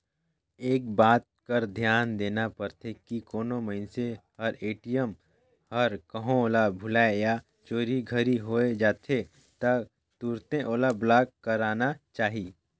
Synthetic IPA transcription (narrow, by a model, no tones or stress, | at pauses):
eːk̚baːt̪̚kəɾd̪ʱjaːnd̪eːnapəɾt̪ʰekikoːnoməɪnsehɐɾeːʈijəm | həɾkəɦõoːlabʱʊlaːeja | t͡ʃoːɾiɡʱəɾiɦoːed͡ʒaːt̪ʰe | t̪ɐ | t̪uːɾt̪ẽʔoːlablaːkkːəɾaːnat͡ʃaːɦiː